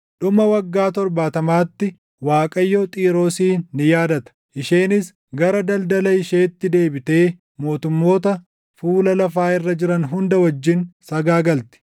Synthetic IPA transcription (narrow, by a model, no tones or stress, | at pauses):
ᶑʊmɐwɐɡːaːt̪ɔɾbaːt̪ɐmaːt̪ːɪ | waːkʼɐjːot̪ʼiːɾo̞ːsiːnːɪjaːd̪ɐt̪ɐ̥ | ʔɪʃeːnɪs | ɡɐɾɐd̪ɐld̪ɐlɐɪʃeːt̪ːɪd̪e̞ːbɪt̪e̞ː | mo̞ːt̪ʊmːo̞ːt̪ɐ | fuːlɐlɐfaːɪrːɐd͡ʒɪɾɐnɦʊnd̪ɐwɐd͡ʒːɪnsɐɡaːɡɐlt̪ɪ̥